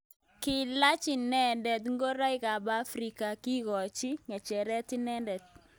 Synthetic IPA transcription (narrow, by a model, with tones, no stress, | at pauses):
kɪ˨la˦t͡ʃɪ˨nɛ˦ndɛ˨tŋɡo˦ɾa˦ɪ˦ka˨ba˦fɾi˨ka˨ki˦ɣɔ˨t͡ʃi˦ŋɛ˨t͡ʃɛ˨ɾɛ˦tɪ˦nɛ˦ndɛ˨t̚